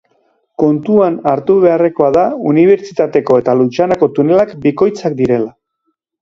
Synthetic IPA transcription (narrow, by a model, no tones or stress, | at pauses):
ko̞nt̪uanaɾt̪uβe̞are̞ko̞aðauniβ̞e̞ɾt͡ʃit̪at̪e̞ko̞e̞t̪alut͡ʃanako̞t̪une̞lakbiko̞jt͡sakd̪iɾe̞la